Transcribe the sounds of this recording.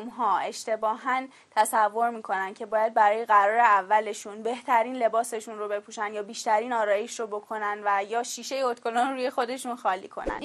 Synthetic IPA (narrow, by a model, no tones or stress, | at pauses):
mɦɒːe̞ʃt̪e̞bɒːɦæn | t̪ʰæsævːo̞ɾmiːkʰo̞nænd̪̥cʰe̞bɒːjæd̪̚bæɾɒːje̞ɣæɾɒːɾeævːæle̞ʃunbe̞ht̪ʰæɾiːnle̞bɒːse̞ʃunrobe̞pʰuːʃænd̪jɒːbiːʃt̪æɾiːnɒːɾɒːje̞ʃɾobo̞kʰo̞nænd̪væjɒːʃiːʃe̞jeot̪kʰo̞lonɾuːje̞xo̞d̪e̞ʃunxɒːlḭːkʰo̞̰næ̰nd̪